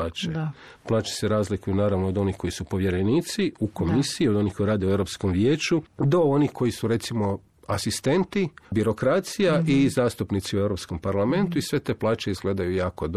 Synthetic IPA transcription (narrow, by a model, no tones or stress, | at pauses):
aːt͡ʃe | plˠaːt͡ʃe̥seɾaːzlikujunaːɾaʋnood̪o̞nihko̞isupo̞ʋje̞ɾe̞niːt̪siuko̞misiio̞d̪o̞nihko̞jiɾaːd̪eueɾopsko̞mʋjeːt͡ʃud̪o̞onihko̞jisuɾe̞t̪simo̞ | asist̪e̞nt̪ibiɾo̞kɾat̪sijaʔizaːst̪upnit̪siueʋɾopsko̞mpaɾlˠame̞nt̪uisʋe̞t̪e̞ːplˠaːt͡ʃeizɡle̞ːd̪ajujaːkod̪